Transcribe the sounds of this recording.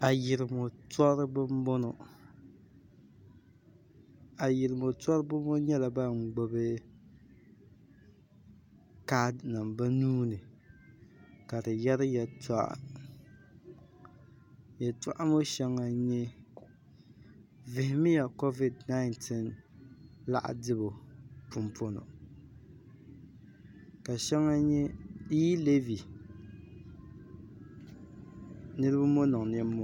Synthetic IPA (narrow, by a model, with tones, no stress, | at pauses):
a˨jɪ˨ɾɪ˨mo˨tɔ˦ɾɨ˦bɨ˦mbo˦no˨ | a˨jɪ˨ɾɨ˨mo˨tɔ˦ɾɨ˦bʊ˦mo˦ɲɛ˦la˨ba˦ŋ͡mɡ͡bo˦bɨ˦ | ka˦dna˨mba˦nuː˦nɨ˨ | ka˨dɨ˨jɛ˦ɾɨ˦jɛ˨ta˦ʔ | jɛ˨ta̰˦ʔa˦mo˦ʃɛ˦ŋːa˦ɲɛ˦ | vɪ˨hɪ˨mɪ˦ja˨ko˦vi˨dna˦ɪ˦ntʰi˦n | la̰˦ʔa̰˨dɨ˦bo˨pʊ˦mpo˦no̰˨ | ka˨ʃɛ˦ŋːa˦ɲɛ˦i˦le˦vi˨ | nɨ˦ɾɨ˦bɨ˦mo˦nɨ˨ŋ˨n˦ɛ˦mo˦